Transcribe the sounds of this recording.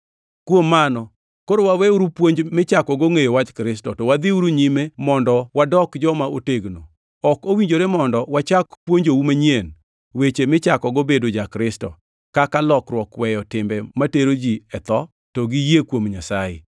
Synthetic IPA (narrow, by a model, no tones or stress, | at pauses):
kwomːanɔ | koɾowawɛuɾupwoɲd͡ʒmɪt͡ʃakɔɡoŋejowat͡ʃkɾɪstɔtɔwad̪ɪuɾuɲimemɔndɔwadɔkd͡ʒɔmaoteɡno | ɔkowiɲd͡ʒoɾemɔndɔwat͡ʃakpwoɲd͡ʒowumaɲien | wet͡ʃemɪt͡ʃakɔɡobedod͡ʒakɾɪstɔ̰ | kakalɔkɾwɔkwɛjɔtɪmbɛmateɾod͡ʒiɛt̪ɔ | toɡijekwomɲasajɪ̰